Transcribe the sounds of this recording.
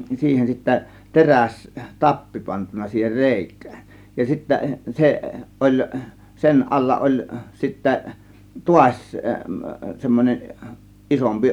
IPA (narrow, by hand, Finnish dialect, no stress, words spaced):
siːhen sitːæ teræs tɑpːi pɑntunˑɑ siːher re̞ˑikˑæ̥ːn̥ jɑ sitːæ seʔ ʔolʲ sen ʔɑlːɑ ʔolʲ sitːæ tuɑsʲ semːonʲen ʔisompi